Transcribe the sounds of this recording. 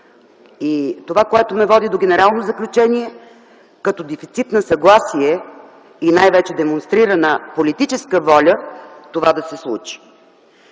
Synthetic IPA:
it̪ovakoɛt̪omɛvɔd̪id̪oɡʲɛnɛɾalˠnozəklʲut͡ʃɛniɛ | kɐt̪ɔd̪ɛfit̪sit̪nəsɐɡlˠasiɛ | inajvɛt͡ʃɛd̪ɛmonst̪ɾiɾənəpolit̪it͡ʃɛskəvɔlʲət̪ovad̪ɐsɛslˠṵt͡ʃi̥

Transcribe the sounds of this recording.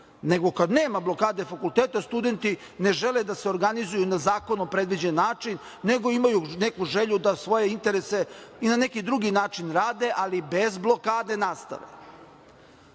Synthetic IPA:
ne̞ɡo̞kad̪neːmablˠo̞kaːd̪efakulˠt̪eːt̪ast̪ud̪e̞nt̪i | ne̞ʒe̞led̪aseo̞ɾɡanizujunazaːko̞nopɾe̞d̪ʋid͡ʑenːaːt͡ʂinː | e̞ɡo̞imajune̞kuʒeʎud̪asʋo̞jeint̪e̞ɾese̞inane̞kid̪ɾuɡinaːt͡ʂinɾaːd̪e̞ʔalibe̞zblˠo̞kaːd̪e̞nast̪a̰ʋḛ

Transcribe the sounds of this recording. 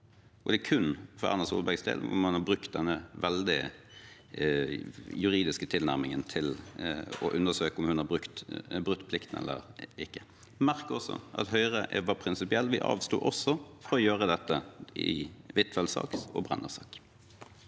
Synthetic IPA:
ʔɔd̪ɛːkʰʉnfɔɾɑ̰ʁnəsuːlbæɡsd̪ḛːlʊ̰mhʉnhɑɾbɾʉkt̪̚d̪ɛnːəʋɛld̪ɪ | jʉɾiːd̪ɪskət̪ʰɪlnæʁmɪŋənt̪ʰɪl | ɔ̰ʔʉnəsøːkəɔmhʉnhɑbʁʉkt̪bʁʉk̚t̪ːpʰlɪkt̪n̩ɛ̰lːə̰ɾɪkːə | mæʁkəɔsːɔ̰ʔɑ̰t̪ɦœʏʁəʔʋɑpʰɾɪnsɪpɪɛlːʋɪʔɑ̰ːʋst̪ṵːʔɔsːɔfɔɾɔjøːʁəd̪ɛt̪ːəɪ̰ʋɪt̪ːʋɛlsɑ̰ːksɔ̰bʁɛ̰nːəsɑːk

